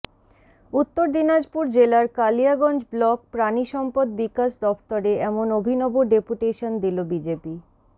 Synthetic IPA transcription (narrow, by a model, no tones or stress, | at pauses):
ut̪ːoɾd̪inad͡ʑpuɾd͡ʑelaɾkalijaɡɔnd͡ʑblɔk̚pɾaniʃɔmpod̪̚bikaʃd̪ɔft̪oɾeɛmonobʱinɔboɖepuʈeʃond̪ilobid͡ʑepi